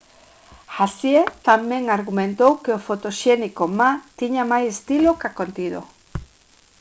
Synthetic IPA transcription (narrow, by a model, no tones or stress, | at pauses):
xasjet̪amẽŋaɾɣumẽnt̪owkeofot̪oʃenikomat̪iɲamajsest̪ilokakont̪iðo̰